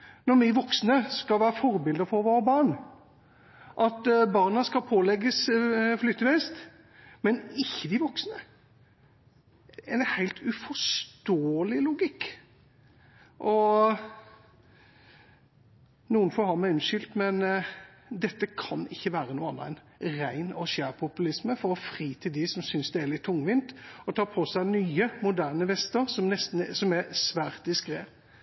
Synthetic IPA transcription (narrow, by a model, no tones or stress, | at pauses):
nɔɾmɪʋɔksnəskɑlʋæːɾəfɔɾbɪld̪əɾfɔɾʋoːɾəbɑɾɳ | ʔɑt̪bɑʁɾnɑskɑlpʰoːlɛɡːəsflʏt̪ːəʋɛɪst̪ | mɛnɪçːəd̪ɪʋɔksnə | ɛɪnhæɪlt̪ʰʉfɔʂt̪oːəlɪlʊɡɪkː | ʔɔ | nuːənfɔɾhɑɾmæɪʉnʃʏlt̪mɛn | d̪ɛt̪ːəkʰɑnɪçːəʋæːɾənuːɑn̰ːæ̰ɪn | ʁæɪnɔɕæːʁpʰʊpʉlɪsməfɔɾɔfʁiːt̪ʰɪld̪ɪsɔmsʏnsd̪ɛælɪt̪ʰːʊŋʋɪnt̪ɔt̪ʰɑːɾpʰɔsæɪnyːəmʊd̪æːʁnəʋɛst̪əɾsɔmnɛst̪n̩sɔmæsʋæːɾt̪̚d̪ɪskɾeː